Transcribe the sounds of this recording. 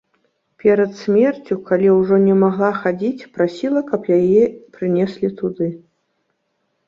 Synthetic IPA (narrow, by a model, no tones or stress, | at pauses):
pʲɛɾɐt̪sʲmʲɛrt͡sʲukalʲiwʐɔnʲɛmaɣlˠaxad͡zʲit͡sʲpɾasʲilˠɐkɐpjajɛpɾɨnʲɛsʲlʲit̪ud̪ɨ